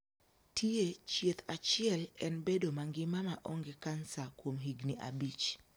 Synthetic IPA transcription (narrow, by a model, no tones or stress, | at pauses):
tʰiet͡ʃjet̪ʰat͡ʃiɛlɛnbedomaŋɡɪmamaʔɔŋɡekansakwomɦiɡniʔa̰bit͡ʃ